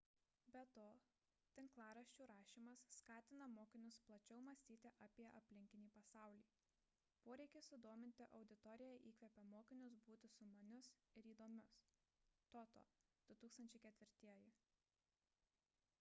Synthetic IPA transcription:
bʲɛt̪oː | t̪ʲɪŋklˠɑːɾɐʃʲt͡ʃʲuːɾɑːʃʲiːmɐsːkɑːt̪ʲɪnɐmoːkʲɪnʲʊsplˠɐt͡ʃʲɛʊmɐsʲt̪ʲiːt̪ʲɪʔɐpʲiɛʔɐpʲlʲɪŋʲkʲɪnʲiːpɐsɑˑʊlʲiː | poːɾʲɛɪkʲesʊd̪oːmʲɪnʲt̪ʲɪʔɒʊd̪ʲɪt̪ɔɾʲɪjɛʔiːkʋʲɛpʲɛmoːkʲɪnʲʊs̬buːt̪ʲɪsʊmɐnʲʊsɪɾiːd̪oːmʲʊst̪oːt̪o̰ːd̪̥ʊt̪uːkst̪ɐnʲt͡ʃʲɛɪkʲɛt̪ʲʋʲɪɾʲt̪ʲiɛjɪ

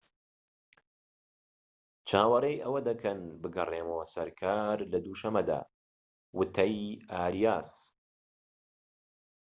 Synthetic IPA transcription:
t͡ʃʰaːwɐɾejʔɐwɐd̪ɐkʰɐnbɨɡɐ̰reːmoːsɐɾkʰaːɾlɐd̪uːʃɐmɐd̪a̰ː | wɨt̪ʰɐjaːɾijaːs

